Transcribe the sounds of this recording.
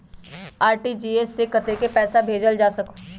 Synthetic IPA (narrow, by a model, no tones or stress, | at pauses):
aːɾʈid͡ʒiːesːekət̪ekepɛːsabʱeːd͡ʒəld͡ʒaːsɐko